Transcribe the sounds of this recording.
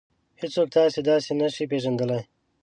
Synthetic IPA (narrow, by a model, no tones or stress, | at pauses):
hɪsoːk̚t̪aːsed̪aːsenɐʃipeːʒɐnd̪əla